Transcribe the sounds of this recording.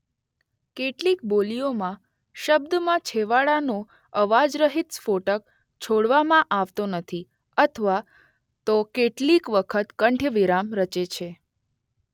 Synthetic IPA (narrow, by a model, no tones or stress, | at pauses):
keʈlikbolijomã | ʃəb̚d̪mãt͡ʃʰeʋaɭanõ | əʋad͡ʒɾəɦit̪foʈək̚ | t͡ʃʰoɽʋamãʔaʋt̪onət̪ʰi | ət̪ʰəʋa | t̪okeʈlikʋəkʰət̪kəɳʈʰəʋiɾamɾət͡ʃet͡ʃʰe